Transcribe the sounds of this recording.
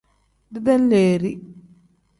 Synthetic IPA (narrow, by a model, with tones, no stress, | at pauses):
d̪i˦d̪ɛ˦nleː˨ɾi˦